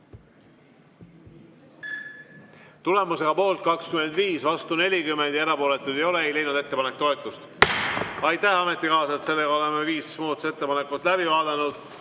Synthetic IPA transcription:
t̪ule̞muse̞ɡ̥ɑpo̞ːlt̪̚kɑkskyme̞nd̪viːsvɑst̪une̞lʲikymːe̞nd̪jɑeɾɑpo̞ːlet̪ːˑud̪e̞jo̞le̞ejle̞jnud̪̥e̞t̪ːepɑnek̚ːt̪o̞e̞t̪ˑːust̪ | ɑjt̪ːˑæhɑme̞t̪ːˑikɑːsɑet̪se̞lːe̞ɡɑo̞le̞meviːsmuːt̪use̞t̪ːe̞pɑnekːˑut̪læbivɑːd̪̥ɑnud̪̥

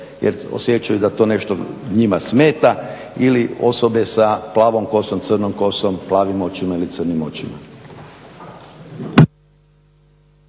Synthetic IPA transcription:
jḛɾo̰sjet͡ʃajud̪at̪oːne̞ʃt̪o̰ɲimasme̞ːt̪a | ilio̞̰sobesaplˠaːʋomko̞somt̪srnomko̞somplaːʋimo̞t͡ɕimailit̪sɨrnimo̞t͡ɕima̰

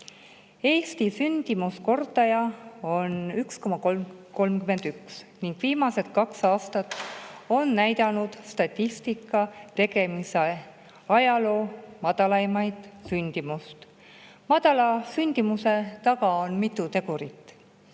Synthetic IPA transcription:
e̞ːst̪isynd̪̥imusko̞rt̪ɑjɑo̞nyksko̞mɑkolmko̞lmkyme̞nd̪̥yksniŋɡ̥viːmɑse̞d̪̥̚kɑksɑːst̪ɑt̪ːo̞nːæjd̪ɑnud̪̥st̪ɑt̪ʲːist̪ikːˑɑt̪e̞ɡ̥e̞mise | ɑjɑlo̞ːmɑd̪̥ɑlɑjmɑjd̪̥synʲd̪̥imust̪ | mɑd̪̥ɑlɑsynʲd̪̥imuse̞t̪ɑɡɑonmit̪ːˑut̪e̞ɡuɾit̪ːˑ

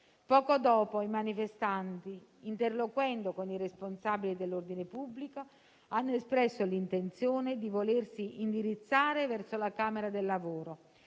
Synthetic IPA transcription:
pɔːkod̪ɔːpoimanifest̪ant̪i | int̪erlokwɛnd̪okoniresponsaːbilid̪elːord̪inepubːliko | anːoespɾɛsːolint̪ent̪sjoːned̪ivolersiind̪iɾit̪sːaːɾevɛrsolakaːmeɾad̪elːavoːɾo

